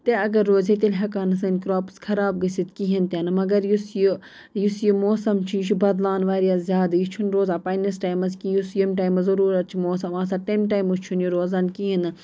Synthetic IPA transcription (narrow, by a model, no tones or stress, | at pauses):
t̪eɐɡɐɾːoːzet̪ilɦɐkaːnɐsɐnkɾoːpskʰɐɾaːb̚ɡɐsit̪kiɦɐnt̪ʲɐnɨmɐɡɐɾjusju | jusjimoːsɐmt͡ʃʰiʃʰubɐd̪laːnʋaːɾijazzjaːd̪just͡ʃʰunɾoːzaːpɐjnisʈaːjmɐskijusjimʈaːjmɐzɐɾuːɾɐt̪̚t͡ʃʰimoːsɐmaːsaːʈɐmʈaːjmust͡ʃʰunjuɾoːzɐnkiɦinɨ